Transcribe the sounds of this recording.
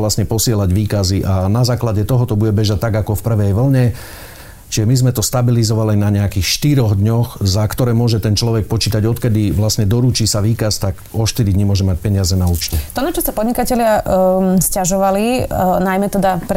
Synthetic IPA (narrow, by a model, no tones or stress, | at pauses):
lasɲɛpɔsɪɛlaɟʋiːkaziʔanazaːklaɟɛt̪ɔɦɔt̪ɔbuɟɛbɛʒat̪aɡakɔfpr̩ʋɛjʋl̩ɲɛ | t͡ʃiʒɛmizmɛt̪ɔst̪abilizɔʋalinaɲɛakiːxʃt̪iɾɔɣd̪ɲɔxzakt̪ɔɾɛːmʊɔʒɛt̪ɛnt͡ʃlɔʋɛk̚pɔt͡ʃiːt̪aɟɔt̪kɛd̪iʋlasɲɛd̪ɔɾuːt͡ʃiːsaʋiːkast̪aɡɔʃt̪iɾid̪ɲimʊɔʒɛmac̚pɛɲɪazɛnauːt͡ʃcɛt̪ɔnat͡ʃɔsapɔd̪ɲikacɛlɪa | scaʒɔʋalinajmɛt̪ɛd̪apɾ